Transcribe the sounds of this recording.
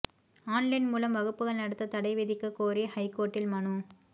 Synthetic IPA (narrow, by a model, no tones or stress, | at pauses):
aːnlɐɪnmuːlɐmʋɐɣɯpːɯɣɐɭnɐɽɯt̪ːɐt̪ɐɽɐɪʋeːðɪkːɯkːoːɾihɐɪkoːʈːɪlmɐɳu